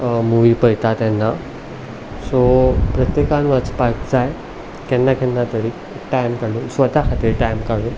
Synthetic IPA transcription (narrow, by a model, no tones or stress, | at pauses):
muʋipəjt̪at̪janːa | sopɾət̪jekanʋat͡spaɾkd͡zaj | k̪ɛnːaɡʱɛnːat̪əɽiː | ʈajmkəɽuːnsʋət̪akʰat̪iːɾʈajmkaɽuːn